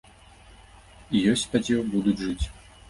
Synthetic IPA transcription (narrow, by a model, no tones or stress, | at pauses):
ijɔsʲt͡sʲpad͡zʲɔwbud̪ud͡zʲʐɨt͡sʲ